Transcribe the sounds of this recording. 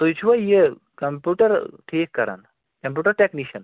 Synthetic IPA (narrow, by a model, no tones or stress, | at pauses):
t̪oit͡ʃʰuʋɐje | kɐmpjuːʈɐɾʈʰeːkːɐɾa̰n | kɐmp̬ʲjuːʈɐɾʈekniʃɐn